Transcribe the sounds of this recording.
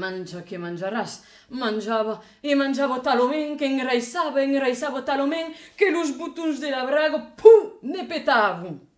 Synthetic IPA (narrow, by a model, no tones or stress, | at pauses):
mand͡ʒakemãnd͡ʒaɾas | mãnʲd͡ʒaβɐ | emãnʲd͡ʒaβot̪alomɛ̃ŋkeŋɾajsaβɐeŋɾajsaβot̪alomɛ̃ŋkeluzβut̪unzd̪elaβɾaɣopʰunepet̪aβu